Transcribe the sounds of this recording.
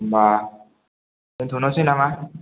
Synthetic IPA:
mba | ɯnt̪ʰunɔsinama

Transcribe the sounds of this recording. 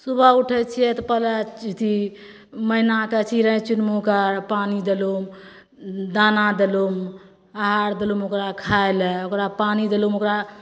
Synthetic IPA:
subʱəuʈʰət͡ʃʰijɛt̪ɔpələt͡ʃit̪ʰi | məinaket͡ʃʰiɾə̃t͡ʃunmukəɾpanid̪əlum | d̪anad̪əlum | aɦaɾd̪əlumokɾakʰaelɛokɾapanid̪əlumokɾa

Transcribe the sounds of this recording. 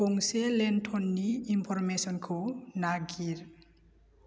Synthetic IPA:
koŋselenʈʰɔnːiːmpʰɔɾmesɔnkʰonaɡiɾ

